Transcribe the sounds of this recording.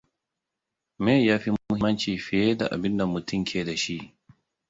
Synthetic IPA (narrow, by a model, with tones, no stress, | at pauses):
mɛ˦ja˦fi˦ʊ˦hi˦ma˦nt͡ʃiː˨fi˨jɛ˦da̰˨ʔa̰˨bi˦nda˨mu˨ti˦ŋkʲʰeː˨da˨ʃi˦